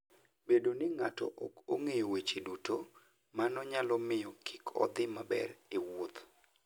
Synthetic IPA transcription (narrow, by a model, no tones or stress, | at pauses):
bedonɪŋatɔ̰ʔɔ̰koŋejowet͡ʃeduto | manɔɲalɔmɪjɔkʰi̥kʰɔ̰d̪ɪmabɛ̰ɾɪwot̪